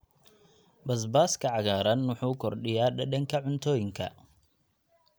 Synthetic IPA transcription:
bɐs̬baːskʰɐʕɑɣaːɾɐnwɔħuːkʰɔrɗɪjaːɗɐɗɐŋkʰɐʕʊnt̪ʰɔːjɪŋkʰɐ̰

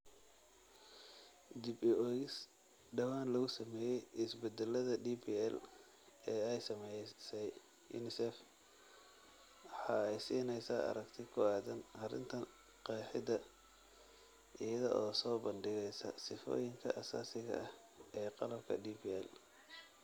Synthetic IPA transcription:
d̪ɪbɪʔɔːjɪs | ɖɐwaːnlɐɣʊsɐmɛːjɛjʔɪsbɛd̪ɛlːɐðɐdiːbiːɛl | ɛːɛjsɐmɛjsɛj | jṵːnɪsɛf | ħɑːɛjsiːnɛjsaːʔɐ̰ɾɐɡt̪ʰɪkʰʊaːðɐnhɐɾɪ̰nt̪ʰɐ | qɑːħɪd̪ɐ | ʔɪjɐðɔ̰ʔɔːsɔːbɐnɖɪɣɛjsɐ̰sɪfɔ̰ːjɪŋkʰɐʔɐsa̰ːsɪɣɐ̰ɐh | ʔɛːqɑlɐb̚kʰɐ̰diːbiːɛ̰l

